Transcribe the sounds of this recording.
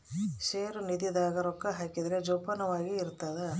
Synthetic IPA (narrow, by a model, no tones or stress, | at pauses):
ʃeːɾunid̪id̪aːɡɐɾɔkːɐɦaːkid̪ɾed͡ʒɔpɐnɐʋaːɡiːɾt̪ːɐd̪ɐ